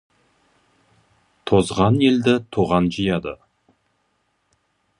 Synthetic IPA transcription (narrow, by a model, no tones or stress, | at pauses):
t̪ʰo̞zʁɑne̞ld̪ɪt̪ʰuʁɑnʒəjɑd̪ə̰